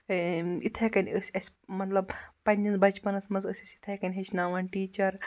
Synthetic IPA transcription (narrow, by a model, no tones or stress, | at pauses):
it̪ʰɐkɐnʲəsʲɐsʲmɐt̪lɐbpɐnʲɐnzbɐt͡ʃpɐnɐsmɐzəsʲisʲit̪ʰɐjkɐnʲɦet͡ʃʰnaːʋaːnʈiːt͡ʃɐɾ